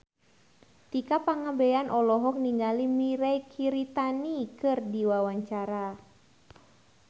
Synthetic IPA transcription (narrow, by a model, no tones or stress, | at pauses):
t̪ikapaŋabejanʔɔlɔɦɔk̚niŋɡalimiɾajkʰiɾit̪anikɨrdiwawaɲt͡ʃaɾa